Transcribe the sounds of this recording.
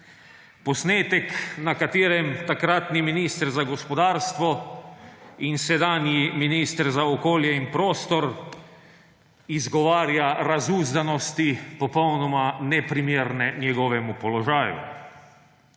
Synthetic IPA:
pɔsneːt̪ɛknakat̪eːɾɛmt̪akɾat̪niminist̪ɾzaɡɔspɔd̪aːɾst̪ʋɔ | insɛd̪aːnjiminiːst̪ɾzaɔkoːljɛinpɾoːst̪ɔɾ | izɡɔʋaːɾjaɾazuːzd̪anɔst̪ipɔpownɔmanɛpɾimjeːɾnɛnjɛɡɔʋɛmupɔlɔʒaːjṵ

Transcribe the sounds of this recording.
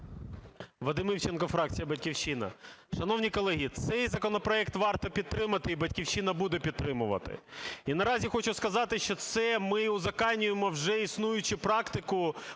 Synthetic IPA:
ʋɐd̪ɪmɪwt͡ʃenkɔfɾɑk̚t͡sʲijɐbɐtʲkʲiwt͡ʃɪnɐ̰ʃɐnɔwnʲikɔlˠɛɦʲit̪sɛjzɐkɔnɔpɾɔɛkt̪ʋɑrt̪ɔpʲid̪̚t̪ɾɪmɐt̪ɪibɐdʲkʲiwt͡ʃɪnɐbud̪ɛpʲid̪̚t̪ːɾɪmʊʋɐ̰t̪ɪ̰inɐɾɑzʲixɔt͡ʃʊskɐzɑt̪ɪʃt͡ʃɔt̪sɛmɪʊzɐkɑnʲːʊjemɔwʒɛisnujʊt͡ʃɪpɾɑkt̪ɪkʊ

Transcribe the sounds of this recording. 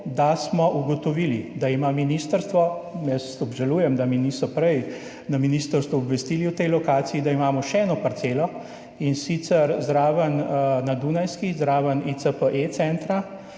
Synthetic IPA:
d̪asmɔʔuɡot̪ɔʋiːlid̪aimaminist̪əɾst̪ʋɔjɛsɔbʒaluːjɛmd̪aminisɔpɾɛj | naminist̪əɾst̪ʋuɔbʋest̪iliwt̪ɛjlɔkaːtsiːd̪aimaːmɔʃɛɛːnɔpɐɾt̪selɔ | insit̪səɾzɾaːʋənnad̪unajskizɾaːʋənisəpəʔet̪sɛnt̪ɾa

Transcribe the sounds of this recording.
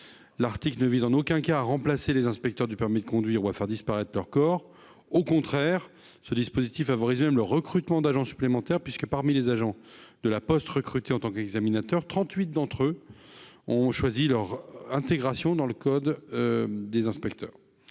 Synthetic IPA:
laʁt̪iklnəvizɑ̃nokɛ̃kaːʁɑ̃plaselezɛ̃spɛk̚t̪œʁd̪ypɛʁmid̪əkɔ̃d̪ɥiʁuafɛʁd̪ispaʁɛt̪χlœʁkɔːʁ | okɔ̃t̪χɛʁ | səd̪ispozit̪ifːavɔʁizmɛmləʁəkχyt̪mɑ̃d̪aʒɑ̃sy̥plemɑ̃t̪ɛʁpɥiskəpaʁmilezaʒɑ̃ | d̪̥əlapɔst̪ʁəkχyt̪eɑ̃t̪ɑ̃kɛɡzaminat̪œʁt̪χɑ̃t̪ɥit̪̚d̪ɑ̃t̪χø | ɔ̃ʃwazilœʁɛ̃t̪eɡʁasjɔ̃d̪ɑ̃ləkɔd̪ː | ezɛ̃spɛkt̪œ̰ːʁ

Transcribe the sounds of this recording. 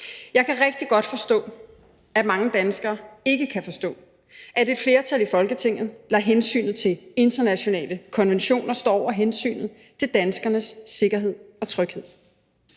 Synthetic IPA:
jɑ̈ɪkʰæʁɛɡ̥̚d̥iɡ̥ɒ̽d̥fɒ̽sd̥ɔ̰̽ː | æmɑ̈ŋəd̥ænsɡ̥ɐːe̝ɡ̥əkʰæfɒ̽sd̥ɔ̰̽ː | ʔæde̝ed̥fle̝ːɐt͡sʰælifɒ̽lɡ̥ət͡sʰe̝ŋ̰ð̩ˠlɑ̰ɦensy̰ːnð̩ˠt͡sʰe̝le̝nd̥ɐnæɕo̝nɛ̰ːləkʰɒ̽nʋenɕo̝̰ːnɐsd̥ɒ̰ɒ̰ʊ̰ɐɦensy̰ːnð̩ˠ | t͡sʰe̝ld̥ænsɡ̥ɐnəsːe̝ɡ̥ɐɦe̝ð̞̰ˠɒ̽t͡sʰʁœɡ̥he̝ð̰ˠ

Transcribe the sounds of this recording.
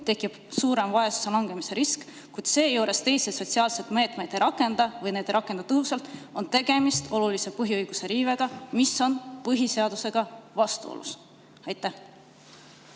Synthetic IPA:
t̪e̞kːˑib̥suːɾe̞mvɑesu̥se̞lɑŋɡ̥e̞mise̞ɾisk | kujd̪̥se̞ːjuːɾe̞st̪e̞jseso̞t̪ʲsiɑːlse̞t̪me̞ːt̪ˑme̞jd̥̪ejɾɑkːˑe̞nd̪̥ɑvɤjne̞ːd̪ejɾɑkːˑe̞nd̪̥ɑt̪ɤɦusɑlt̪ˑo̞nt̪e̞ɡ̥e̞mist̪o̞lulise̞pɤɦiɯjɡ̥use̞ɾiːve̞ɡ̥ɑmiso̞npɤɦise̞ɑd̪̥use̞ɡ̥ɑvɑst̪ṵo̰lʔṵs | ɑjt̪ːˑæh

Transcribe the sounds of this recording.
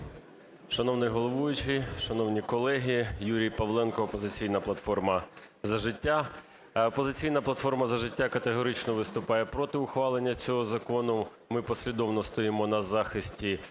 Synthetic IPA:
ʃɐnɔwnɪjɦɔlˠɔʋujʊt͡ʃɪʃɐnɔwnʲikɔlˠɛɦʲijuɾʲijpɐʋlˠɛnkɔːpɔzɪt͡sʲijnɐplˠɐt̪fɔrmɐ | zɐʒɪtʲːa | ɔpɔzɪt͡sʲijn̪ɐplˠɐt̪fɔrmɐzɐʒɪtʲːakɐt̪eɦɔɾɪt͡ʃnɔʋɪst̪ʊpɑjɛpɾɔt̪ɪʊxʋɑlˠenʲːɐt͡sʲɔɦɔzɐkɔnʊ | mɪpɔsʲlʲid̪ɔwnɔst̪ɔjimɔnɐzɑxɪsʲtʲi

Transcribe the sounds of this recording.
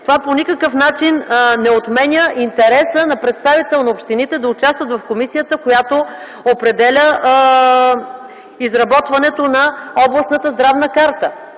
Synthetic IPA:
t̪ovaponikəkəfnat͡ʃinnɛot̪mɛnʲjəʔint̪ɛɾɛsənɐpɾɛt̪st̪avit̪ɛlˠnɐopʃt̪init̪ɛd̪ɐʊt͡ʃast̪vət̪vɐfkomisijət̪əkojat̪o | opɾɛd̪ɛlʲə | izɾɐbɔt̪vɐnɛt̪onɐɔblˠɐsnət̪əzd̪ɾavnəkaɾt̪ə

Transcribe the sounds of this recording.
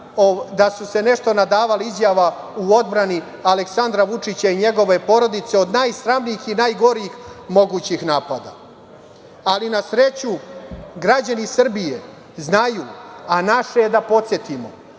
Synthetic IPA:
od̪asuse̞ne̞ʃt̪o̞nad̪aːʋaliizjaʋa | uo̞d̪bɾani | aleksand̪ɾaʋut͡ʂit͡ɕaiɲe̞ɡo̞ʋe̞po̞ɾo̞d̪it̪se̞o̞d̪najsɾamniixinaːjɡo̞ɾiixmo̞ɡuːt͡ɕixnaːpad̪a̰ | alinasɾe̞t͡ɕuɡɾad͡ʑanisr̩bije | znajuːanaʃed̪apo̞t̪sje̞t̪imo

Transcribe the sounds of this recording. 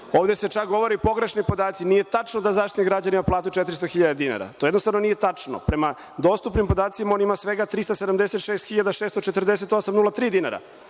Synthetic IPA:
oːʋd̪ese̞t͡ʃak̚ɡo̞ʋoɾipo̞ɡɾeʃnipo̞d̪aːt̪sinije̞t̪at͡ʂnod̪azaʃt̪it̪iɡɾad͡ʑanimaplˠaːt̪ut͡ʃet̪ɾist̪oxiʎad̪ad̪ina̰ɾa̰t̪o̞jed̪nost̪avno̞nije̞t̪at͡ʂno̰pɾema | d̪o̞ːst̪upnimpo̞d̪aːt̪simao̞nimasʋe̞ɡat̪ɾist̪ased̪amd̪eset̪ʃeːst̪xiʎad̪aʃest̪ot͡ʃet̪r̩d̪eset̪o̞samnulat̪ɾiːd̪ina̰ɾa̰

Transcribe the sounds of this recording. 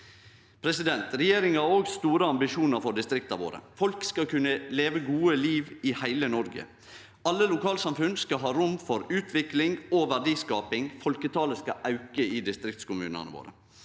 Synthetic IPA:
pʰɾɛsɪd̪ɛnt̪ɾɛjeːɾɪŋɑɾoːɡst̪uːɾəɑmbɪʃuːnəɾfɔɖɪst̪ɾɪkt̪ɑʋo̰ːɾə̰fɔlkskɑkʉnːəleːʋəɡuːəliːʋɪhæɪlənɔɾɡə̰ | ɑlːəlʊkɑːlsɑmfʉnskɑɦɑːɾʊmfɔɾʉːt̪ʰʋɪklɪŋoːʋæɖiːskɑːpɪŋfɔlkət̪ʰɑːləskɑɑʉkəiːd̪ɪst̪ɾɪk̚t̪skʊmʉ̰ːnə̰nə̰ʋo̰ːɾə̰

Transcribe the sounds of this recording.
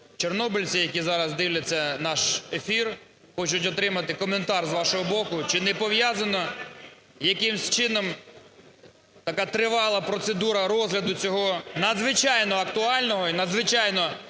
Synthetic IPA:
t͡ʃernɔbɪlʲt͡sʲijɐkʲizɑɾɐzd̪ɪwlʲɐt͡sʲːɐnɑʃefʲir | xɔt͡ʃʊt̬ʲɔt̪ɾɪmɐt̪ɪkɔment̪ɑrzʋɑʃɔɦɔbɔkʊt͡ʃɪnɛpɔʋjazɐnɔ | jɐkɪmsʲt͡ʃɪnɔm | t̪ɐkat̪ɾɪʋɑlˠɐpɾɔt̪sed̪uɾɐɾɔzɦlʲɐd̪ʊt͡sʲɔɦɔnɐd̪zʋɪt͡ʃɑjnɔɐkt̪ʊɑlʲnɔɦɔinɐd̪zʋɪt͡ʃɑjnɔ

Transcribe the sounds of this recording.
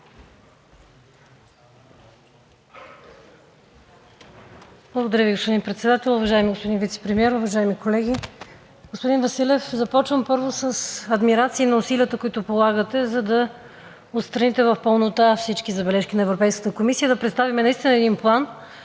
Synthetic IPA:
b̥lˠəɡod̪ɐɾjəviɡospod̪inpɾɛt̪sɛd̪at̪ɛlˠʊvɐʒaɛmiɡospod̪invit̪sɛ̥pɾɛmiɛɾʊvɐʒaɛmikolɛɡʲi | ɡ̥ospod̪invɐsilɛfzɐpɔt͡ʃvəmpɤɾvosəsɐd̪miɾat̪siːnɐʊsiliət̪əkoit̪ʊpolˠaɡət̪ɛzɐd̪ɐ | ot̪st̪ɾɐnit̪ɛvɐfpəlˠnot̪afsit͡ʃk̟izɐbɛlɛʃkinɐɛvɾopɛjskət̪əkomisijəd̪ɐpɾɛt̪st̪avimɛnɐist̪inəɛd̪inplˠan

